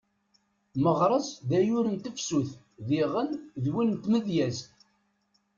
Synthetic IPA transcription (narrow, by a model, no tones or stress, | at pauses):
məʁɾˤəsðæjʊɾənt̪əfsuθ | ðiʁənðwinnt̪məðjæz